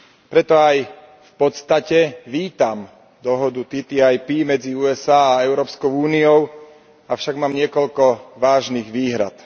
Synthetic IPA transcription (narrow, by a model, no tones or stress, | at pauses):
pɾɛt̪ɔaj | fpɔt̪st̪acɛʋiːt̪am | d̪ɔɦɔd̪ut̪it̪iajpiːmɛd͡ziuːɛsaːɛʊɾɔːpskɔʊuːniɔʊ | afʃaɡmaːmɲɪɛkɔʎkɔʋaːʒniːɣʋiːɦɾa̰t̪